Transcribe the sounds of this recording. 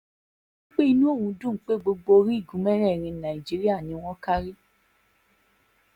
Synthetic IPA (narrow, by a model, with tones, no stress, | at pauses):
k͡pe˦i˧nũ˦o˦˨wũ˧˦dũ˦˨˦k͡pe˦ɡ͡bo˧ɡ͡bo˧ɾi˦i˦˨ɡũ˨˦mɛ˦ɾɛ˦˨ɾ̃ĩ˧nã˨i˨d͡ʒi˨˦ɾi˦a˦˨nĩ˨˦w̃ɔ̃˦ka˦ɾi˦